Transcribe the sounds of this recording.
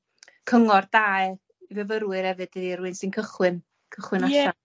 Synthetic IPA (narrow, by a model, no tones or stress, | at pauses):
kʰəŋɔrdaːj | ivɛvəɾwɨɾhɛvɨd̥ədiɾuɨnsɨnkʰəχwɨn | kʰəχwɨnaɛa